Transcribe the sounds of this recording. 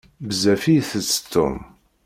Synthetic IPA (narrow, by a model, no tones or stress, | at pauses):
bəzæfijθət͡sːə̥t̪ʰːʊ̰m